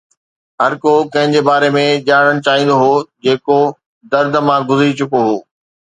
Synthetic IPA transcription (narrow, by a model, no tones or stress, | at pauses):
ɦɐɾkokɐ̃ɦɪ̃ɲd͡ʑebaːɾemẽʄaːɽ̃əɽ̃t͡ɕaːɦĩːn̆d̪oɦoːd͡ʑeːko | d̪ɐɾd̪ʱmãːɡʊzɾit͡ɕʊkoɦoː